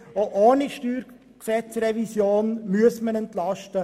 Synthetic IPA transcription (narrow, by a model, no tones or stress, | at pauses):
oʔoːniʃtyːɾ | ksɛt͡srɛvisjoːnmyəsmənɛnt̪lɑʃtə